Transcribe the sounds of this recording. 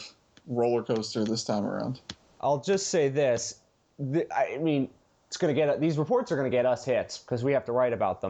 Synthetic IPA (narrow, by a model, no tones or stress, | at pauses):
ɹoʊlˠə˞kʰoʊstə˞ðɪstʰãɪ̃mə̰˞ã̰ʊ̃nd̥ | ʔa̰ɪlˠd͡ʒʌstseɪðɪs | ðɪa̰ɪaɪmĩn | ɪtsɡ̥ʌnɨɡɛɾʌðizɹəpʰɔɹtsə˞ɡʌñɨɡɛɾʌshɪtskʰʌzwihæftəɹaɪɾɨbaʊt̪̚ðə̃